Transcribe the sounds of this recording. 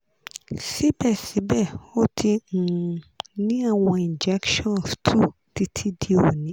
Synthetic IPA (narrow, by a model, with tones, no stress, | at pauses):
si˦bɛ˦˨si˨˦bɛ˦˨o˦tʰi˧ñ̩˨nĩ˦a˦˨w̃ɔ̃˧ĩ˨n˨d͡ʒɛ˦kʃɔ̃˦˨n˨stʰu˦ | ti˧˦tʰi˦di˦o˨nĩ˨˦